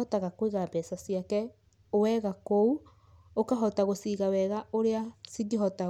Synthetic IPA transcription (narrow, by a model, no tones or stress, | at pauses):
ɔtaɣakweɣabɛsasiakɛ | wɛɣakou | okaɦɔtaɣosiɣawɛɣaoɾeasiɡeɦɔta